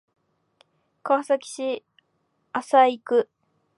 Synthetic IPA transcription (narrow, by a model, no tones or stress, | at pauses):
kasakʲi̥ɕi | asaikɯ̟